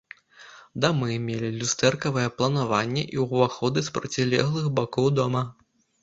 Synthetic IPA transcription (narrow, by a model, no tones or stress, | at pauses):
d̪amɨmʲelʲilʲust̪ɛrkɐvɐjɛplˠɐnavanʲːɛ̰ʔiwvaxɔd̪ɨspɾɐt͡sʲilʲɛ̰ɣlˠɨxbakɔwd̪ɔmɐ